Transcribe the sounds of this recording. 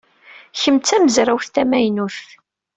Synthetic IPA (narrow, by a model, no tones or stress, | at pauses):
çəmt͡sːæməzɾawθθæmæjnuθ